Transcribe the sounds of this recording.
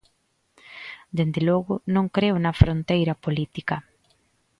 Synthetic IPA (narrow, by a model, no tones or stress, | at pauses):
d̪end̪eloɣʊnõŋkɾeʊnɐfɾont̪ejɾɐpolit̪ikɐ